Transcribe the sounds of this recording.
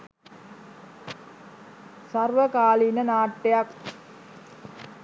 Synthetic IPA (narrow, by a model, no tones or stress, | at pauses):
sarʋəkaːlinənaːʈːejak